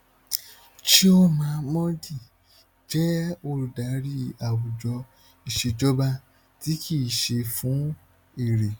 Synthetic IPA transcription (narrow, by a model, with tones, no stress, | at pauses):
ʃi˦o˦mã˧˦˧mɔ̃˦di˦˨ | d͡ʒɛ˦o˧ɾu˨da˨˦ɾi˦a˨wu˨d͡ʒɔ˧ | i˨ʃe˧d͡ʒɔ˦ba˧ | ti˨˦kʰi˦˨ʃe˧fũ˨˦ | i˦˨ɾe˨